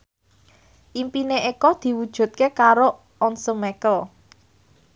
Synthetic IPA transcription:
ʔimpineʔekɔd̪̥i̤wud̥ʒ̥ṳt̪̚kekaɾo | ɔnsəmɛkəl

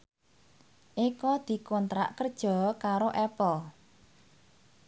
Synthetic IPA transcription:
ʔikɔd̪̥i̤kɔnt̪ɾa̰ʔkərd̥ʒ̥ɔ̤kaɾoʔɛpɔ

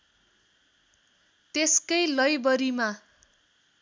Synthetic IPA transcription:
t̪eskʌjlʌjbʌɾima

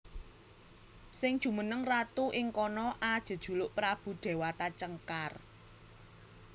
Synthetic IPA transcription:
sɪŋd̥ʒ̥ṳmənəŋrat̪uʔɪŋkɔnɔʔad̥ʒ̥ə̤d̥ʒ̥ṳlʊʔpɾab̥ṳɖ̪̥e̤wat̪at͡ʃəŋkar

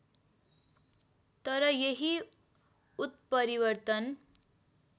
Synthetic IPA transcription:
t̪ʌɾʌjeɦi | ut̪̚pʌɾiwʌrt̪ʌn

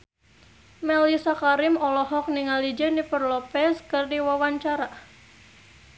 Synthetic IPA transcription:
mɛlisakaɾɪmɔlɔɦɔk̚niŋalid͡ʒənipərlɔpɛskɨrdiwawaɲt͡ʃaɾa

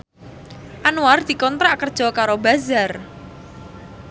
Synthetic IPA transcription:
ʔanuard̪̥i̤kɔnt̪ɾaʔkərd̥ʒ̥ɔ̤kaɾobazar

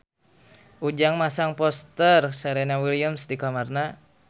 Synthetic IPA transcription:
ʔud͡ʒaŋmasaŋpɔst̪ərsaɾɛnawiliamsdikamarna

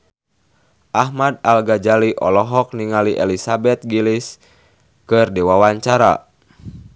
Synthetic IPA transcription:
ʔahmadalɡad͡ʒaliʔɔlɔɦɔk̚niŋaliʔɛlisabɛt̪̚ɡilis | kɨrdiwawaɲt͡ʃaɾa̰

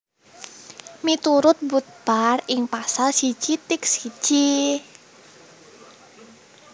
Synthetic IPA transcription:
mit̪uɾʊt̪̚but̪̚b̥arɪŋpasalsi̥ʒ̥it̪ɪk̚si̥ʒ̥i

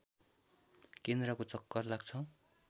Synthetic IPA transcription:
kend̪rʌkot͡sʌkːʌrlaɡt͡sʰʌw̃

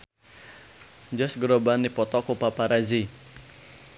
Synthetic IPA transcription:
d͡ʒɔsɡɾobanːipɔt̪ɔkupapaɾazi

